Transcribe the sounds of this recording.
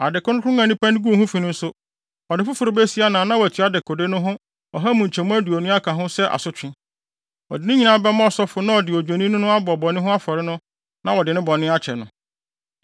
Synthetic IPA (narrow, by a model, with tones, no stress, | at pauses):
a˨dɪ˨kʊ˦ʊ̃˦kʰɾʊ̃˦ã˨nĩ˦pʰã˦n˦ɡu˦˨hũ˦fi˨nʊ̃˦n̩˦sʊ˦ | ɔ˨dɪ˨fʊ˦fʊ˨ɾʊ˨bɛ˦si˦a˦nã˨nã˦wɔ˨æ˨tʰi˨˦a˨˦dɪ˨kʰɔ˨de˦nʊ̃˦ɦʊ̃˦ | ɔ˨ɦa˦mũ˨ɲ̩˨t͡ɕʰɛ̃˨mʊ̃˦æ˦du˨ɔ˨nũ˦a˦kʰã˨ɦʊ̃˦sɛ˦ʔa̰˨sʊ˦t͡ɕᶣɪ̃˦ | ɔ̰˨dɪ˨nʊ̃˦ɲĩ˨˦nã˦bɛ˦mã˦ɔ˨sɔ˦fʊ˨nã˦ɔ˨dɪ˨ɔ˨d͡ʑᶣe˨nĩ˦nʊ̃˦nʊ̃˦a˦bɔ˨bɔ˨nɪ̃˦ɦʊ̃˦a˦fɔ˨ɾɪ˦nʊ̃˦ | nã˦wɔ˨dɪ˨nʊ̃˦bɔ˨nɪ̃˦a˦t͡ɕʰɛ˨nʊ̃˨